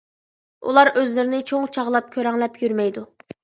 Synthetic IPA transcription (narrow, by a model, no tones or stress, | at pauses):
ṵlˠɑɾʔøzlɪɾɪnɪt͡ʃʰoŋt͡ʃʰɑʁlˠɑp̚kʲʰøɾɛŋlɛpʰjyɾmɛjd̪u